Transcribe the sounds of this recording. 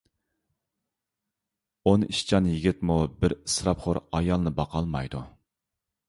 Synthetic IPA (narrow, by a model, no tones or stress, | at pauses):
oniʃt͡ʃʰɑnjiɡʲɪt̪mubɪɾsɾɑpχoɾɑjɑlˠnɨbɑqʰɑlˠmɑjd̪u